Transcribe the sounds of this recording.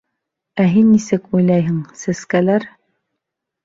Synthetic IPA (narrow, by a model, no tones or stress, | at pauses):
æɦinːisɘkujlˠɑjɦɘŋsæskælæɾ